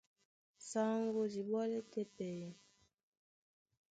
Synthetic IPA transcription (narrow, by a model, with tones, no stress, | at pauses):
sa˦ŋɡo˨di˨bɔ˦le˦te˦pɛ˨jɛ˨